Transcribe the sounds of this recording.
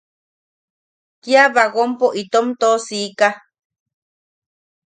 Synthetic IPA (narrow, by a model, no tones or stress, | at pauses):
k̪iaβaɡompoʔit̪omt̪osika